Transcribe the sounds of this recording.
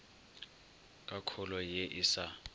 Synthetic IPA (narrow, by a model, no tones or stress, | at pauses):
kʼakʰʊlɔjeʔisa